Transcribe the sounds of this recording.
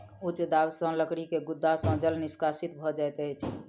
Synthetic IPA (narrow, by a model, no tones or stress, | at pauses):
ut͡ʃd̪awsə̃ləkɽikeɡud̪ːasə̃d͡ʒəlniskasit̪bʱɔd͡ʒaet̪əjt͡ʃʰ